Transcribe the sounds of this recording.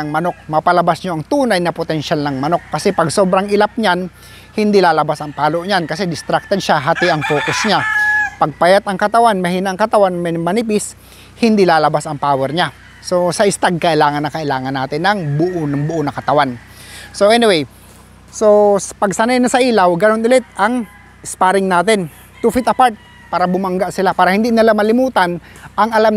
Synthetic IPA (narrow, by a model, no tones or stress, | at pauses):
ɐŋmɐno̞k̚mɐpɐlɐbasɲoʔɐŋt̪uːnajnɐpot̪ɛnʃalnɐŋmɐno̞kːɐsɛpɐɡso̞ːbɾɐŋʔɪlap̚ɲan | hɪnd̪ilaːlɐbasɐŋpaːloʔɲankɐs̬ɛd̪ɪst̪ɾak̚t̪ad̪ʃaɦat̪ɪʔɐŋfoːkosɲapɐɡ̚pajat̪ʔɐŋkɐt̪ɐwanmɐhinaɐŋkɐt̪ɐwanmɛmɐnipɪs | hɪnd̪ilaːlɐbasɐŋpaːwɛɾɲa | so̞sɐʔɪst̪aɡ̚kɐʔɪlaːŋɐnːɐkɐʔɪlaːŋɐnːaːt̪ɪnːɐŋbʊʔonɐŋbʊʔonɐkɐt̪ɐwan | so̞ɛnɪwej | sospɐɡsanajnɐsɐʔiːlɐwɡɐnonɪlɪt̪̚ɐŋ | ɪspaːɾɪŋnaːt̪ɪn | t̪ufit̪ɐpaɹt̪̚ | paːɾɐbʊmɐŋɡaʔsɪlapaːɾɐhɪnd̪inɪlamɐlɪmuːt̪ɐn | ʔɐŋɐlam